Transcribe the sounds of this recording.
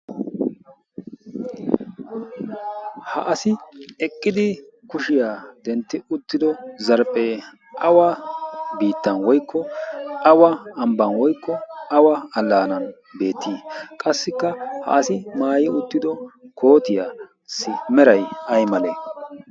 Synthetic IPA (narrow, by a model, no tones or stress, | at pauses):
hɐ̰ʔɐsɪɛkʼːɪd̪ɪkʊʃɪjaːd̪ɛnt̪ːɪʊt̪ːɪd̪ɔzɐɾpʼːe | ʔɐwabiːt̪ːɐnwɔjkːɔɐwɐɐmbɐnwɔjkːɔɐwɐɐlːaːnɐn | be̞ːt̪ʰːiːkʼɐsːɪkːɐhɐ̰ʔɐsɪmaːjɪʊt̪ːɪd̪ɔkʰo̞ːt̪ɪja | sɪmɛɾɐjɐjmɐle